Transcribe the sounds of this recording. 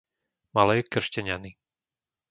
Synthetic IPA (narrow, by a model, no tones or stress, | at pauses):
malɛjkr̩ʃcɛɲani